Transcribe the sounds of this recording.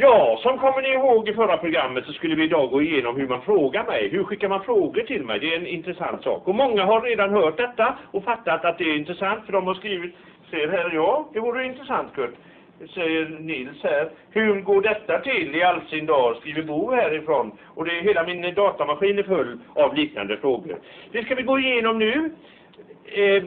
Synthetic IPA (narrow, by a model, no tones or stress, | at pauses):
jɑːsɔmkʰɔmːəɳɪɪɦoːɡɪfœɾapʰɾʊɡɾamːət̪sɔskɵlːəvɪɪd̪ɑːɡoːɪjeːnɔmhɵɾmanfɾoːɡaɾmɛ̰jɦɵɾɧɪkːaɾmanfɾoːɡəʈʰɪlmɛ̰jd̪ɛːɾɛnɪnt̪ɾɛsa̰nt̪sɑ̰ːkɔmɔŋːaɦaɾːeːd̪anhœːʈ̚d̪ɛt̪ːaɔfat̪ːat̪at̪̚d̪ɛːɾɪnt̪ɾəsant̪fœɖɔmhaɾʂkɾiːvɪt̪ | sɛjːəɾɦæːɾjɑːd̪ɛvuːɾəɪnt̪ɾəsant̪kʰɵʈː | sɛjːəɾnɪlshæːɾhʉɾɡoːɖɛt̪ːat̪ʰɪlːɪalsɪnd̪ɑːskɾiːvɪbuːhæːɾɪfɾɔn | ɔd̪ɛɦeːlamɪnd̪ɑːt̪amaɧiːnæɾfɵlːavliːkna̰nd̪əfɾoːɡə̰ɾd̪̥ɛskavɪɡoːɪjeːnɔmnʉ̟ː